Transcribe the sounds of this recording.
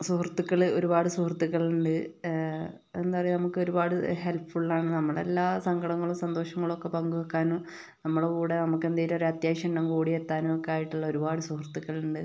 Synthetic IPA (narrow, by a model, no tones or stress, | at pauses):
suhrt̪ːukːɐɭo̞ɾubaːɽɨsuhrt̪ːukːɐɭuɳɖɨ | end̪uɐrɐjnɐmukːɨo̞ɾubaːɽɨhe̞lpːuɭːaːɳɨnɐmːɐɭe̞̰lːaːsɐŋɡʱɐɽɐŋːɐɭumsɐnd̪o̞ːʂɐŋːɐɭokːe̞pɐŋɡuɐkːaːnu | nɐmːɐɽkuːɽenɐmukːe̞nd̪iːɾɐɾɐt̪jaːɕɐɳɖɐmkuːɽiet̪ːaːnuokːeaːjiʈːuɭːɐo̞ɾubaːɽɨsuhrt̪ːukːɐɭuɳɖɨ